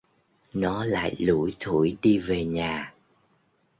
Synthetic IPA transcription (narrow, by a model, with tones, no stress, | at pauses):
nɔ˨˦la̰ː˧˨jlu˧˩jt̪ʰu˧˩jɗi˧ve˨˩ɲaː˨˩